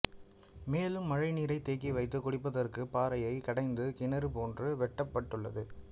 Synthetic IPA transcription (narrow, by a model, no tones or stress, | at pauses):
meːlɯmːɐɻɐɪniːɾɐɪt̪ːeːkːiʋɐɪt̪ːɯkʊɽɪpːɐðɐrkɯpaːɾɐjɐɪkɐɽɐɪnd̪ɯkɪnɐɾɯpoːndrɯʋɛʈːɐpːɐʈːɯɭːɐ̰ðɯ